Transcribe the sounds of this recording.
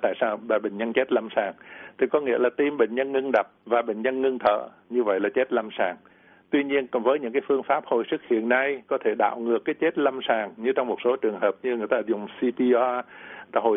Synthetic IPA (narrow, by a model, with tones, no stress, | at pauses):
t̪a̰ː˧˨jsaː˧wɓaː˨˩ɓë˧˨ŋ̟ɲə˧nt͡ɕe˦˥t̚la˧msaː˨˩ŋt̪ʰi˨˩kɔ˨˦ŋḭ˧˥əlaː˨˩t̪i˧mɓḛ˧˨ŋɲə˧nŋɨ˧ŋɗə˨˩p̚vaː˨˩ɓḛ˧˨ŋ̟ɲə˧nŋɨ˧ŋt̪ʰə̰ː˧˨ | ɲɨ˧və̰˧˨jlaː˨˩t͡ɕe˦˥t̚la˧msaː˨˩ŋ | t̪wi˧ɲi˧ənkvəː˨˦jɲɨ̰˧˥ŋkaː˨˦jfɨ˧əŋfaː˦˥p̚ho̰˧˨˩jsɨ˦˥k̚hḭ˧˨ənːa˧jkɔ˨˦t̪ʰe˧˩ɗa̰ː˧˨wŋɨ˨˩əkːaː˨˦jt͡ɕe˦˥t̚la˧msaː˨˩ŋɲɨ˧t͡ɕɔ˧wŋ͡mmo˨˩t̚so˨˦t͡ɕɨ˨˩əŋɦəː˨˩p̚ɲɨ˧ŋɨ˨˩əjt̪aː˧zʊ˨˩ŋ͡msi˧pi˧ɔ˧a˧ɦo̰˧˨